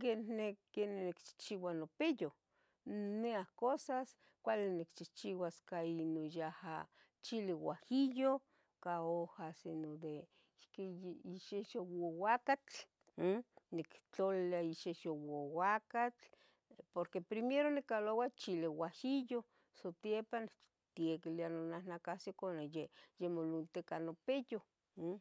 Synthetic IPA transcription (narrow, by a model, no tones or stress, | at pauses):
kennekennikt͡ʃi̥t͡ʃiwanopejo | neahkosas | kʷalinikt͡ʃiht͡ʃiwaskainojaha̰ | t͡ʃiliwahijo | kaohasinod̪e | keiʃeʃowowakat͡ɬ | nikt͡ɬolaiʃeʃowowakat͡ɬ | poɾkepɾimeɾonikːalowat͡ʃiliwahijo | sot̪jepan | t̪iekilianonahnakasikonejejemolunt̪ekanopejo